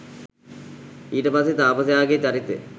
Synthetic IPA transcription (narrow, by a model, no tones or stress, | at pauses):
iːʈəpaset̪aːpəs̬ejaːɡet͡ɕaɾit̪ːḛ